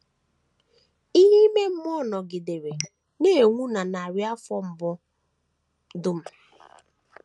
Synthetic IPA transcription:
i˦ɦi˦me˦m̩˦m˦ɔ˦nɔ˨ɡɪ˨de˨ɾe˨ | ne˦˨ŋʷu˦na˨na˨ɾja˦fɔ˦m̩˨bʊ˦ | dʊ˦m̩˦

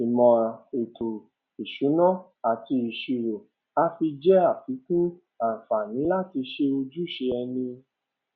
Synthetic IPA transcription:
i˨mɔ̃˨e˨tʰo˨ | i˨ʃu˨˦nɔ̃˦ | a˨ti˧i˨ʃi˧ɾo˨ | a˧˦fi˧d͡ʒɛ˦a˦˨fi˨˦kũ˦ | ã˨fa˨nĩ˨˦la˦ti˧ʃe˧o˧d͡ʒu˦˨ʃe˧ɛ˧nĩ˧

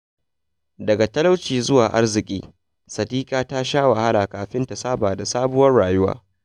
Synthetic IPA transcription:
dɐ˨ɡa˨tɐ˦la˦wt͡ʃiː˨zʊ˦waː˨ʔa̰˦rzɪ˨kʲʼḭː˦ | sɐ˨diː˦kaː˦ta˦ʃaː˦wa˨ha˦laː˨kaː˨ɸɪ˦nta˨saː˦baː˨da˨saː˦bʊ˦wɐ˦rɽaː˨jʊ˦wa̰ː˦

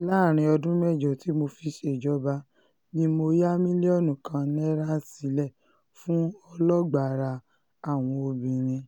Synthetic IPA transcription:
laː˦˨ɾ̃ĩ˧ɔ˧dũ˦mɛ˦˨d͡ʒɔ˨ti˨˦mo˧fi˧ʃe˨d͡ʒɔ˨˦ba˦ | nĩ˧mo˧ja˦mĩ˦li˦ɔ˦˨nũ˨kã˧nɛ˦ɾa˦si˨˦lɛ˦˨ | fũ˦ɔ˧lɔ˦ɡ͡ba˨ɾa˧ | a˦˨w̃ɔ̃˧o˧bĩ˨ɾ̃ĩ˧

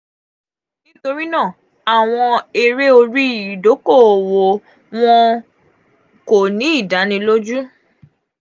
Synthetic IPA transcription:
nĩ˦to˧ɾĩ˦nã˦˨ | a˨w̃ɔ̃˧e˧ɾe˦o˧ɾi˦˨do˨˦ko˦˨wo˨ | w̃ɔ̃˧ | ko˨nĩ˨˦i˦˨da˨˦nĩ˧lo˦d͡ʒu˦

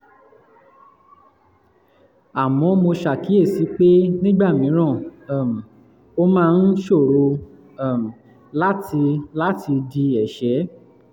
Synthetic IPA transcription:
a˨mɔ̃˧mo˧ʃa˨ki˨˦e˦˨si˨˦k͡pe˦nĩ˦ɡ͡ba˦˨mĩ˨˦ɾ̃ã˦˨a˨m̩˨ | o˦mãː˦˧n̩˦ʃo˦˨ɾo˧ | a˨m˨ | la˦ti˧la˦tʰi˧di˧ɛ˨ʃɛ˨˦

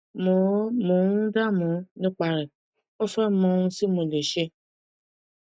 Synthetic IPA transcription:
mo˨˦mõ˨˦ũ˦da˦˨mũ˨˦nĩ˦k͡pa˧ɾɛ˨ | o˦fɛ˦mɔ̃˧ũ˧si˦mo˧˨le˨ʃe˧

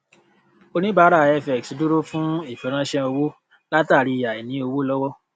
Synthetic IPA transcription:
o˧nĩ˦ba˨˦ɾa˦˨ɛ˦fɛ˨ksdu˦ɾo˦fũ˦i˦˨fɛ˨˦ɾ̃ã˦ʃɛ̃˦o˧wo˦ | la˦ta˦˨ɾi˧˨ja˨i˨nĩ˨˦o˧wo˦lɔ˦wɔ˦

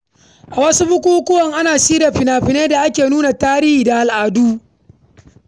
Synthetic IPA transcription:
ʔa˨wɐ˦su˦bʊ˦kʷuː˦kʷʊ˦wɐ˨ŋʔa˦naː˨siː˦da˨ɸɪ˨naː˨ɸɪ˨neː˦da˨ʔa˦kʲeː˨nuː˦na˨taː˦ɾi˦hiː˨da˨ʔa˨lʔaː˨duː˦

